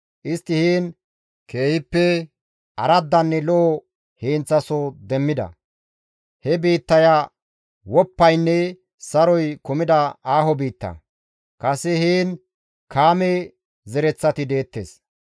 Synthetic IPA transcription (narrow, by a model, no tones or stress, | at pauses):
ʔɪst̪ːɪhiːn | ke̞ːjɪpːɛ | ʔɐɾɐd̪ːɐnːɛlɔʔɔ | hiːnt͡sːɐsɔd̪ɛmːɪd̪ɐ̰ | hɛbiːt̪ːɐja | wɔpːɐjnːɛ | sɐɾɔjkʊmɪd̪ɐaːɦɔbiːt̪ːɐ̰ | kɐsɛhiːn | kʰaːme | zɛɾɛt͡sːɐt̪ɪd̪e̞ːt̪ːḛːs